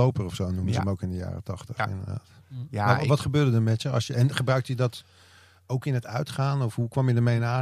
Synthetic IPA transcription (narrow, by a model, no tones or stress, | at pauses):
owpərɔfsownuməzəmowkɪndəja̰ːrətɑχtəχɪ̰ndəɹda̰ːtaʋɑtχəbøːɹdədəɹmɛtjəɑ̰lˠsjəɛnχəbrœɥk̚təjədɑt | owkɪnətœɥtχaːnɔfɦukʋɑmjədəɹmejnaː